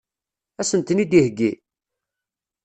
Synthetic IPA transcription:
æsənt̪nid̪ihɡːi

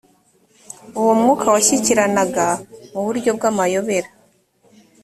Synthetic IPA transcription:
uwomŋuːkʰawaçiciɾanaɡamuβuɾɟo̞b̚ɡaːmajo̞βe̞ɾa

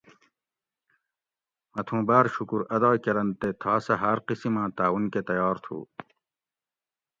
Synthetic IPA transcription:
mɐt̪ʰũːbaːɾɕukuɾɐd̪aːkɐɾɐnt̪et̪ʰaːsɐɦɐːɾqisimãːt̪aːwunket̪ɐjaːɾt̪ʰṵː

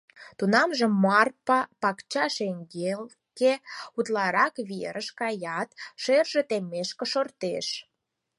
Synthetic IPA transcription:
t̪unɑmʒə̆mːɑrpɑpɑkt͡ɕɑʃeŋɡel | keut̪lɑɾɑkβiḛɾʔəʃkɑjɑt̪ʃerʒĕt̪emːeʃkĕʃort̪eʃ

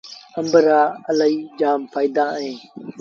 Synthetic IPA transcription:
əmbəɾaːələiːd͡ʒaːmpʰaːiːd̪ãːɦẽː

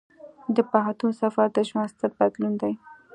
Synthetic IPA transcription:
d̪əpaɦant̪usafaɾd̪aʃmast̪aɾ̚bad̪lund̪aj

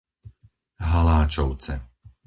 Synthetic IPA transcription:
ɦalaːt͡ʃɔʊt͡sɛ

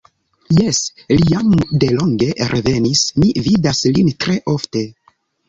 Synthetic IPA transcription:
jeslijamde̞lo̞ŋɡe̞ɾʔevenismividaslintɾe̞ʔo̞fte̞

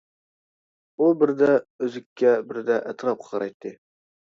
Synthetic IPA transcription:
ubɪɾd̪æɵzɪkʲːæbɪɾd̪æʔæt̪ɾɑp̚qʰɑɾʔɑjt̪ːɨ

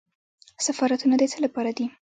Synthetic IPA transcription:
safɑɾat̪unad̪ət͡səlapɑɾad̪i

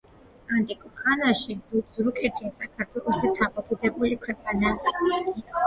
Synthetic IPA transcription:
ant̪ʼikʼɔχanaʃid̪uzɾukʼɛt̪ʰisakʰaɾt̪ʰwɛlˠɔsɛt̪ʰamʼɔkʼud̪ɛbulikʰwɛqʼanai

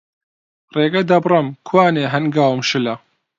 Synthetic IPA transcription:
reːɡɐd̪ɐbrɨmkʰwaːneːɦɐnɡaːwɨmʃɨlɐ

